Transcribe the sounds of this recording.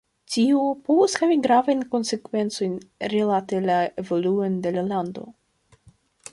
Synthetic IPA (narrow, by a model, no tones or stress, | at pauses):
tiopovoshaviɡɾavajnko̞nse̞kve̞nt͡so̞jnɾilate̞lae̞vo̞luonde̞lalando̞̰